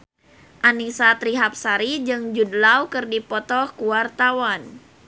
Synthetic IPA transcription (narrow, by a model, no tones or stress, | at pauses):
ʔanisat̪ɾiɦap̚saɾid͡ʒɨŋd͡ʒudlawkɨrdipɔt̪ɔkuwart̪awan